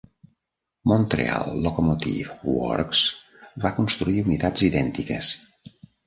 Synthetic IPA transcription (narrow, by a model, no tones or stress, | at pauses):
mont̪ɾḛa̰lˠːokomot̪ḭfwɔ̰ɾks | bakunst̪ɾuiunit̪aziðɛnt̪ikəs